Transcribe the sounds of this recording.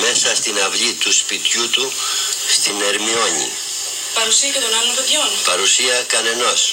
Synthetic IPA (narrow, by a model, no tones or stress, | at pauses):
me̞sɐst̪inɐvʎit̪uspit̪jut̪u | st̪ine̞ɾmio̞ɲḭ | pɐɾusiɐkɐt̪onɐvnopoðjonpɐɾusiɐkɐne̞no̞s